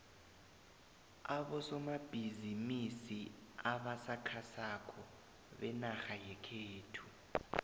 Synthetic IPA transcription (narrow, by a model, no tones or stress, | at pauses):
aɓɔsɔmab̥ʱizimisiaɓasakʰasakʰɔ | ɓɛnaxajɛkʰeːtʰu